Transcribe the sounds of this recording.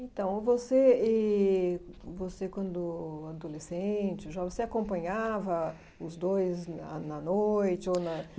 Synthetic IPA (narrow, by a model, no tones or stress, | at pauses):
ẽt̪ɐ̃w̃voseɛ | vosekwɐ̃nd̪ʊad̪olesẽt͡ʃɪʒavoseakõpɐ̃ɲavɐ | ʊzd̪ojza̰nɐnojt͡ʃɪonɐ